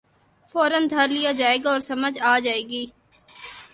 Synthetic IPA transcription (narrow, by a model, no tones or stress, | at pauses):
foːɾənd̪ʱɐɾlijad͡ʒaːeːɡaɔːɾsɐməd͡ʒaːd͡ʒaːeːɡiː